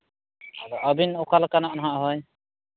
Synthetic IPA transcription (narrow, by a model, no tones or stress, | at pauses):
aɹɔʔabinɔkʰalkanaʔnɦaʔɦɔj